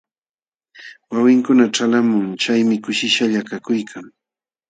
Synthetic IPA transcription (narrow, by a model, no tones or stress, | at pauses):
wawɪŋkʊnaʈ͡ʂalamʊŋt͡ʃajmɪkʊʃɪʃaʎakakʊjkʰaŋ